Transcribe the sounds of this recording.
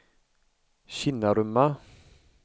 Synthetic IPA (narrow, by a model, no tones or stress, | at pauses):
ɕinaɾøma